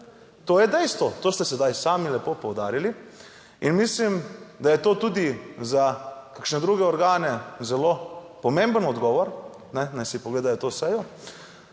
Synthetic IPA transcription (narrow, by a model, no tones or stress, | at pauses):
t̪oːjɛd̪ɛjst̪ʋɔt̪oːst̪ɛsɛd̪ajsaːmilɛpoːpɔwd̪aːɾili | inmislimd̪ajɛt̪oːt̪uːd̪izakakʃnɛd̪ɾuːɡɛɔɾɡaːnɛzɛloː | pɔmẽmbənɔd̪ɡɔːʋɔɾ | nɛnajsipoɔɡleːd̪ajɔt̪oːsɛjɔ